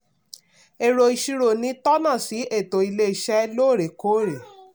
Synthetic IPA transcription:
e˧ɾo˧i˧ʃi˧ɾo˨nĩ˧˦tɔ˦nã˦˨si˨˦e˦˨to˨i˧le˦i˦˨ʃɛ˦lo˦˨ɾe˨ko˨˦˨ɾe˨

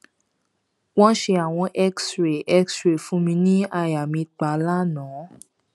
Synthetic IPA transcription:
w̃ɔ̃˦ʃe˧a˨w̃ɔ̃˧ʔɛ˦ksɾe˨ʔɛ˦ksɾe˨fũ˨˦mĩ˧nĩ˦a˧ja˨mĩ˧k͡pa˨˦la˦nɔ̃˨˦

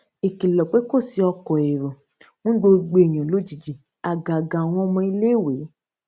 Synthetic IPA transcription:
e˨ki˨lɔ˨k͡pe˦ko˦˨si˧˦ɔ˧kɔ˨e˨ɾõ˨ | nũ˦ɡ͡bo˧˦ɡ͡be˧˨e˨j̃ã˨lo˨˦d͡ʒi˨d͡ʒi˨ | a˨ɡa˨ɡa˨w̃ɔ̃˧ɔ˧mɔ̃˧i˧le˦˨we˨˦

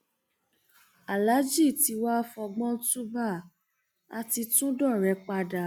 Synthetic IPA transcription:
a˨la˨˦d͡ʒi˦˨ti˨˧wa˦fɔ˧ɡ͡bɔ̃˦tu˦ba˦˨ | a˧ti˧tũ˦dɔ˦˨ɾɛ˨˧˦k͡pa˧da˨

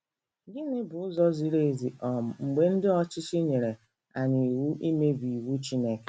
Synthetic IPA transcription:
ɡɪ˦nɪ˦bʊ˨ʊ˦zɔ˦zi˨ɾe˦˨zi˨ɔ˨m̩˨ŋ͡m̩˨ɡ͡be˦n̩˦dɪ˦ɔ˦t͡ʃɪ˦t͡ʃɪ˦ɲe˨ɾe˨ | a˨ɲɪ˨wu˦ʔi˦me˦bi˨i˨wu˦t͡ʃi˦ne˦ke̥˨

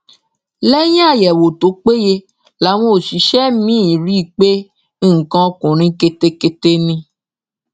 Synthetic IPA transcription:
lɛ˦j̃a˦˨jɛ˨wo˨to˨˦k͡pe˦je˧ | la˨˦w̃õ˦o˨ʃi˨˦ʃɛ˦mĩ˦˨ɾi˦˨k͡pe˦ | ŋ̩˨kã˧kũ˨ɾ̃ĩ˧˦ke˧te˧ke˧te˧nĩ˧

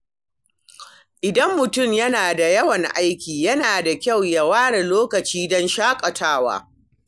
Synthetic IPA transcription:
ʔɪ˨dɐ˦mːʊ˨tʊ˦˨mjɐ˦naː˨da˨jɐ˦wɐ˨ŋʔa˦jkʲiː˨jɐ˦naː˨da˨kʲa˦˨wja˨waː˦ɽe˨loː˦kɐ˨t͡ʃiː˦dɔ˦nʃaː˦kʼɐ˨tʰaː˦wa̰ː˦

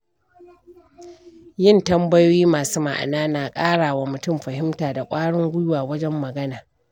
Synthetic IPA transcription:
jɪ˦˨ntɐ˦mbɐ˦joː˦jiː˦maː˨suː˦ma̰˨ʔa̰˨naː˦naː˨kʼaː˦ɽaː˨waː˨mʊ˨tʊ˦mɸɐ˨hɪ˦mtaː˨da˨kʷʼaː˦ɽɪ˦ŋɡʷʊ˦jʊ˦waː˨wɐ˦d͡ʒɛ˦mːɐ˨ɡɐ˦naː˨

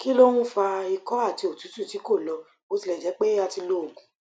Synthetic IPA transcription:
ki˦lo˦w̃ũ˦fa˧i˧kɔ˦a˦˨ti˧o˨tu˨˦tu˦˨ti˨˦ko˦˨lɔ˧ | mo˧ti˧lɛ˨d͡ʒɛ˨˦k͡pe˦a˦˨ti˧lo˦o˨ɡũ˨

